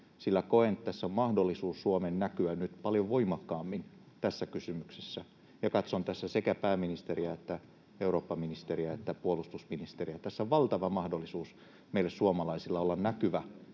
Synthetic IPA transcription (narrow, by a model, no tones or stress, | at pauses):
silːækoent̪tæsːommɑhdolːisuːsːuomennækyænnyt̪pɑljoʋʋoimɑkːɑːmːin | t̪æsːækysymykse̥sːæ | jɑkɑt̪sont̪æsːæsekæpæːminist̪eriæet̪ːæ | euɾoːpːɑminist̪eriæet̪ːæpuolust̪usminist̪eriæt̪æsːoʋʋɑlt̪ɑʋɑmɑhdolːˑisuːs | meilːessuomɑlɑisilːɑolːɑnnækyʋæ